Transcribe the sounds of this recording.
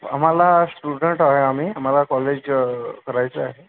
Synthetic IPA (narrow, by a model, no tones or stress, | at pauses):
a̰m̤alasʈuɽəɳʈaɦeamiam̤alakɔled͡ʑkəɾajt͡səaɦe